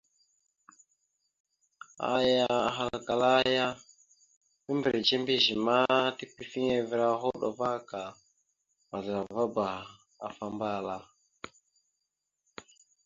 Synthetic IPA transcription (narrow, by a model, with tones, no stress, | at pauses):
a̰˦ja˦˨ɦa˦lka˨la˦ja˦ | mi˦mbɾe˨t͡ʃe˦mbi˦ʒi˨ma˦ti˦pi˦fi˦ɲe˦vi˨˦ɾa˦ɦo˦ɗo̰˨va˦ka˨ | ma˨ɮɾa˨va˦ba˨ | a˨fa˦mba˦˨la˦